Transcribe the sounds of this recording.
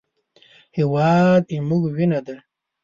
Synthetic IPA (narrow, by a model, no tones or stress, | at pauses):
hiwɑːd̪imuɡwinad̪a